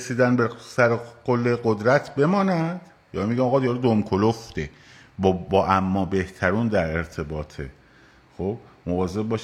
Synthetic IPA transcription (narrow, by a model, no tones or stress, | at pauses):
esiːd̪ænbesæɾeqolːeɢod̪ɾæt̪ʰbe̞mɒːnæd̪̥ | jɒːmiɡʲæɒːɣɒːd̪ijɒɾed̪omkʰoloft̪e | bbɒːʔæmːɒːbe̞ht̪ʰæɾuːnd̪æɾe̞ɾt̪ʰe̞bɒːt̪ʰe | xob̚ | movɒːze̞b̚bɒːʃ